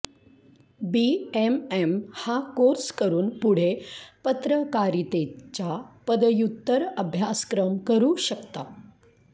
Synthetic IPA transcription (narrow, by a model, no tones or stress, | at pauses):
biememhakoɾskəɾuːnpuɽ̤epət̪ɾəkaɾit̪et͡ɕapəd̪əjut̪ːəɾəbʱjaskɾəmkəɾuːɕəkt̪a